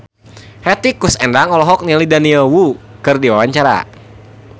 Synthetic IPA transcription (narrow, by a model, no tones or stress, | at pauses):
hɛt̪ikusɛndaŋɔlɔɦɔk̚nilidaniəwukɨrdiwawaɲt͡ʃaɾa̰